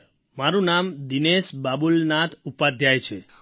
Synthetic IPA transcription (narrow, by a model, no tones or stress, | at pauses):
maɾũnamd̪inesbabulnat̪ʰupad̪ʱjajt͡ʃʰe